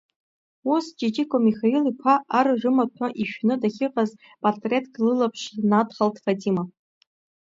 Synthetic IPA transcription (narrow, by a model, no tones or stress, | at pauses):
usd͡ʒʼid͡ʒikʷʰʼomiχailipʷʰaʔarʐɨmatʷʰaʔiʃᶣnɨdaχʲɪqʼaz | pʼartʼre̞tʰɡlɨlapʰʂnadχaltʰfadima